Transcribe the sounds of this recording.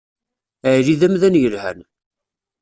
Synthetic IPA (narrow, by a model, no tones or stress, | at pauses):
əʕɾiðæmðænjəlhæ̰n